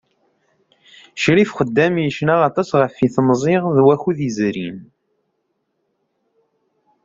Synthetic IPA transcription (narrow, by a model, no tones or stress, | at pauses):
ʃɾifχəd̪ːæmjəʃnaʁɑt̪ˤɑsʁəfːiθmzˤeʁðwæxuðizɾin